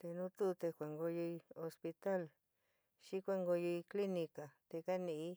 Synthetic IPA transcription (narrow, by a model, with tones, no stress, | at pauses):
t̪e˧nũ˦t̪u˦˧t̪e˧kʷe˨ŋɡo˧ju˧i˧o˧spi˧t̪a˦˨l | ʃi˦kʷe˦˧ŋɡo˧ju˧i˧kli˦nĩ˧ka˨t̪e˧ka˦nĩ˧i˦